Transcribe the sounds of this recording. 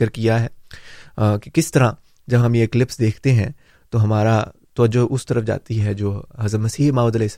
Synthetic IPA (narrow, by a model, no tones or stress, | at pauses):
əɾkijaɦɛː | kikɪst̪ɐɾã | d͡ʒɐbɦɐmjeːklɪpsd̪eːkʰt̪eɦɛ̃ | t̪oɦɐmaːɾat̪ɐʋəd͡ʒoʔʊst̪ɐɾəfd͡ʒa̰ːt̪iɦɛd͡ʒoːɦɐzɾəd̪mɐsiːɦmaːʊd̪əles